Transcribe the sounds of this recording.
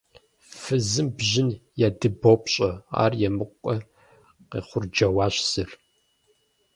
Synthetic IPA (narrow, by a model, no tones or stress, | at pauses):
fɨzɨmbʑɪnjaːdɨbopʼɕʼɐa̰ːrjɛmɨqʷʼɔ | qḛːχʷʊrd͡ʒɐwaːɕsɨr